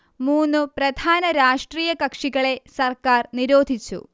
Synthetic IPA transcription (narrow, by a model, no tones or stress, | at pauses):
muːnːɨprɐd̪ʱaːnɐɾaːʂʈriːjɐkɐkʂiɣɐɭe̞sɐrkaːrniɾo̞ːd̪ʱit͡ɕːṵ